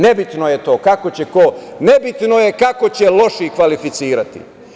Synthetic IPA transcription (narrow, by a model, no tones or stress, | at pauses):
nebit̪noje̞t̪o̞ːkakot͡ɕe̞kone̞bit̪no̞jekako̞t͡ɕelˠo̞ʃikʋalifit̪siːɾat̪ḭ